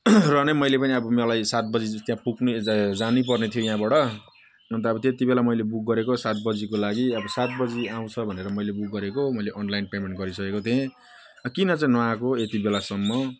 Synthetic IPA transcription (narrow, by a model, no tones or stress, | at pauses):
rʌnemʌjlepʌniʌbʌmelajsat̪̚bʌd͡zid͡zut̪jãpuknid͡zanipʌrnet̪ʰijojaɦãbaɽʌ | nʌnt̪̬ʌʌbʌt̪et̪ibelamʌjlebuk̚ɡʌɾekosat̪̚bʌd͡zikolaɡiʌbʌsat̪̚bʌd͡ziaw̃t͡sʰʌbʱʌneɾʌmʌjlebuk̚ɡʌɾekomʌjleʔʌnlajnpemeɳʈɡʌɾisʌkekot̪ʰẽ | kinʌt͡saĩnãkoet̪ibelasʌmːʌ